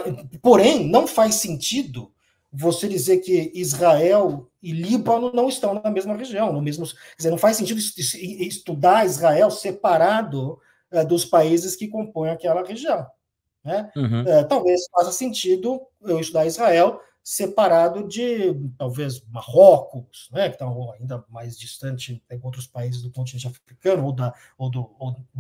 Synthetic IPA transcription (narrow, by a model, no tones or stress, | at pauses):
poɾẽj̃nɐ̃w̃fajsẽnt͡ʃid̪ʊ | vosed͡ʒizeɾkɪizʁaɛw | ɪlibãnnɐ̃w̃ɪst̪ɐ̃w̃nɐmezmɐʁeʒiɐ̃w̃nʊmezmʊskɛzenɐ̃w̃fajsːẽt͡ʃid̪ʊssist̪ud̪aɾizʁaɛwsepaɾad̪ʊ | ɛd̪ʊspaizɪskɪkõpõj̃akɛlɐʁeʒiɐ̃w̃ | nɛɛt̪awvezsfasɐsẽnt͡ʃid̪ʊ | ewɪst̪ud̪aɾizʁaɛw | sepaɾad̪ʊd͡ʒɪt̪awvezmaʁɔkʊsnɛkɪ̥t̪ɐ̃w̃aĩnd̪ɐmajzd͡ʒist̪ɐ̃nt͡ʃɪɛõt̪ɾʊspaizɪzd̪ʊkõnt͡ʃ̪inẽt͡ʃafɾikɐ̃nʊowd̪ɐ | od̪ʊo